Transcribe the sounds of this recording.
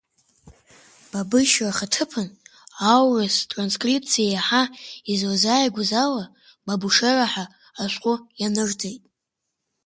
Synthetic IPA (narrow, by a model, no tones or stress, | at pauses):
b̥abɨʃaχatʰɨpʰɨnawrɨstʼranskʼripʰt͡sʰijajaħaizazajɡʷʊzala | babuʂeraħaː | ʃʷqʷʼʊjanɨrd͡zejtʼ